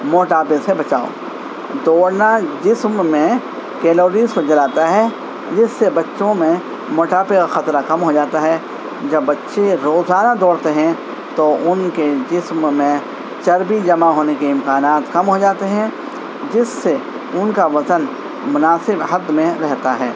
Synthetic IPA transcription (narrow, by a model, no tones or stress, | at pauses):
moːʈaːpesebɐt͡ʃaːo̰ː | d̪ɔːɽnad͡ʒɪsmːẽ | kɛːloːɾiːzkod͡ʒɐlaːt̪aɦɛ | d͡ʒɪsːebɐtːʃõmẽ | moːʈaːpekaxɐt̪ɾakɐmɦod͡ʒaːt̪aɦɛː | d͡ʒɐbːɐtːʃeɾoːzaːnad̪ɔːɾt̪eɦɛ̃ | t̪oʔʊnked͡ʒɪsmːẽ | t͡ʃɐɾbid͡ʒɐmaɦoːnekeɪ̃mkaːnaːt̪kɐmɦod͡ʒaːt̪eɦɛ̃ | d͡ʒɪsːe | ʊnkaʋɐzən | mʊnaːsɪbɦɐd̪ːmẽɾɛɦt̪aɦɛː